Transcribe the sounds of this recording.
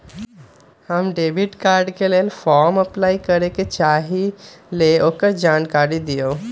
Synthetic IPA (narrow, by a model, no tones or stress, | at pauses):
həmɖebiʈkaːɾɖkelelfɔɾməplaːikəɾeket͡ʃaɦileokəɾd͡ʒankaɾid̪ijo